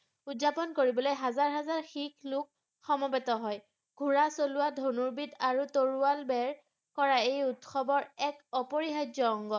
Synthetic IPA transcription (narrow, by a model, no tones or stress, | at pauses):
udzapɔnkoɹibɔlojɦazaɹɦazaɹxiklʊk | xɔmɔbɛtɔɦɔj | ɡʱuɹasolʊwadʱonuɹbidaɹutoɹualbɛɹ | kɔɹaejutxɔbɔɹɛkɔpɔɹiɦajdɔɔŋɡɔ